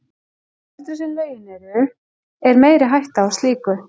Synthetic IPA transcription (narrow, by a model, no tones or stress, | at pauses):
ɛ̥t̪ʏsɪnveːjɪnɛɾʏ | ɛɾmeːjɾɪɦajht̪aːwst̪liːkʏ